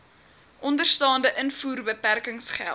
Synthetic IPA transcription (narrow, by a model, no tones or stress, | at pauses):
ʔɔndərstɑːndəʔənfuːrbəpærkəŋsχæ̰lˠt